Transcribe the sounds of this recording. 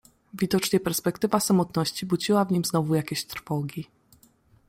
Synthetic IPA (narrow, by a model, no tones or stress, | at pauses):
vʲid̪ɔt͡ʂɲɛpɛɾspɛkt̪ɘvasamɔt̪nɔɕt͡ɕibud͡ʑiwavɲimznɔvujakʲeɕt̪ɾfɔɡʲi